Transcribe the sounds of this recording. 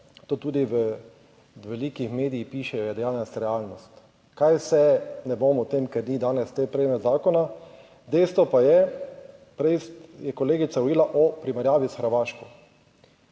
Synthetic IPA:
t̪oːt̪uːd̪iʋə | ʋɛliːkixmeːd̪ijixpiːʃɛjɔjɛd̪ɛjaːnɛst̪ɾɛaːlnɔst̪ | kajsɛnɛbomɔt̪eːmkɛɾnid̪aːnɛst̪epɾɛmɛt̪zaːkɔna | d̪ɛɪjst̪ʋɔpajɛ | pɾɛsjɛkɔleːɡit̪saɔiːlaʔɔpɾimɛɾjaːʋisxəɾʋaːʃkɔ

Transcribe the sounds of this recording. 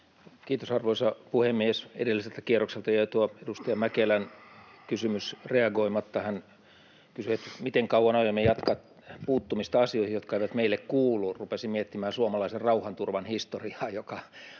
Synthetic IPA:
kiːt̪osɑrʋoisɑpuhemːiesḛdelːiselt̪ækierokselt̪ɑjɑit̪uoedust̪ɑjɑmækelænkysymysreɑɡoimɑt̪ːɑhæn | kysyet̪mit̪eŋkɑuwɑnɑjemːejɑt̪kɑt̪ | puːt̪ːumist̪ɑɑsioihijot̪kɑeiʋæt̪meilːekkuːlːurupesimiet̪ːimæːsuomɑlɑiserrɑuhɑnt̪urʋɑnhist̪oriɑːjokɑ

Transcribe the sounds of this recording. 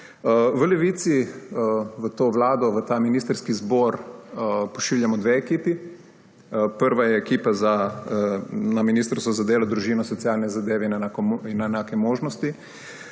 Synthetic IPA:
ʋəleʋiːt̪si | ʋət̪oːʋlaːd̪ɔʋət̪aːminiːst̪əɾskizbɔːɾ | pɔʃiːwljamɔd̪ʋeːkiːpi | pəɾʋajɛːkiːpaza | naminist̪ɾsɔzad̪eːlad̪ɾuʒiːnɔsɔt̪siaːlnɛzad̪eːʋɛinakinaenaːkɛmoːʒnɔst̪i

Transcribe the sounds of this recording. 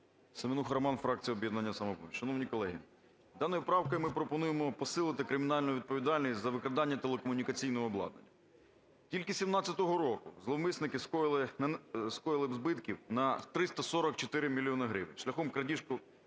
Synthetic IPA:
semɪnuxɾɐmɑnfɾɑk̚t͡sʲijɔbjɛd̪nɐnʲːɐsɐmɔbɔ̰ʃɐnɔwnʲikɔlˠɛɦʲḭ | d̪ɑnɔjʊpɾɑwkɔjmɪpɾɔpɔnujemɔpɔsɪlˠɪt̪ɪkɾɪmʲɪnɑlʲnʊʋʲid̪̚pɔʋʲid̪ɑlʲnʲisʲtʲzɐʋɪkɾɐd̪ɑnʲːɐt̪elˠekɔmʊnʲikɐt͡sʲijnɔɦɔːblˠɑ̰d̪nɐ̰nʲːɐ | tʲilʲkɪsʲimnɑt͡sʲɐt̪ɔɦɔɾɔkʊzlˠɔmɪsnɪkɪskɔjlˠɪskɔjɪlˠɪzbɪt̪kʲiwnɐt̪ɾɪst̪ɐsɔɾɔk̚t͡ʃɔt̪ɪɾɪmʲilʲiɔnɐɦɾɪ̰ʋɪnʲʃlʲɐxɔmkɾɐdʲiʃkʊ

